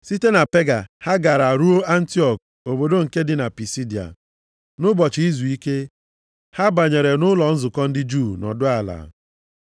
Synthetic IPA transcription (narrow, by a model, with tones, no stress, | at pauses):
si˦te˦na˨pe˦ɡa˨ha˦ɡa˨ɾa˨ɾu˦o˦a˦n̩˦ti˦ɔ˨k̚ | o˨bo˨do˦ŋ̩˨ke˦dɪ˦na˨pi˨si˦di˨a̰˨ | nʊ˦bɔ˨t͡ʃi˨i˦zu˨i˦ke˦ | ha˦ba˨ɲe˨ɾe˨nʊ˦lɔ˨n̩˦zʊ˨kɔ˦n̩˦dɪ˦d͡ʒu˦˨nɔ̰˨dʊ˦a˨la̰ː˨